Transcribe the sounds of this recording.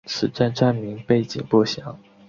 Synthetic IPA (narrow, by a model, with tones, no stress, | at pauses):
t͡sʰɹ̩˨˩ʈ͡ʂa˥˧nʈ͡ʂa˥˩nmi˧˥ŋpe˥˩ɪt͡ɕḭ˨˩ŋpu˥˩ɕjɑ˧˥ŋ